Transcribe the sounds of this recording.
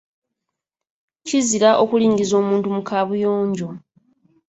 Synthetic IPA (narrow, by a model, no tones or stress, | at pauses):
ciziɾaʔo̞kuliːɲɡizo̞ːmuːntumukʰaβujoːɲɟo̞